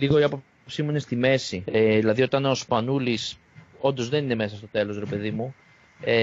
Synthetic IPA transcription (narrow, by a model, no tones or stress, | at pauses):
liɣo̞iɐpo̞ | psimuinest̪ime̞sieðilɐðio̞t̪ɐnospɐnulis | o̞nd̪o̞zðe̞nine̞me̞sɐst̪o̞t̪e̞lo̞sɾe̞pe̞ðimu | e